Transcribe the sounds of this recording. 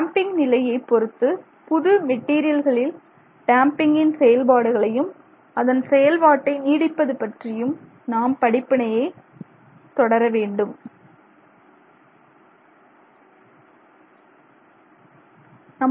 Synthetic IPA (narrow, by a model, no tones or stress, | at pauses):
aːmpɪŋɡnɪlɐjɐɪpːɔɾɯt̪ːɯ | pʊðɯmɛʈːiːɾɪjɐlɣɐɭɪl | ʈaːmpɪŋɡɪnsɛjɐlbaːɽɯɣɐɭɐjɯm | ɐðɐnsɛjɐlʋaːʈːɐɪniːɽɪpːɐðɯpɐʈrɪjɯm | naːmpɐɽɪpːɪɳɐjɐɪ | t̪ɔɽɐɾɐʋeːɳɖɯm | nɐm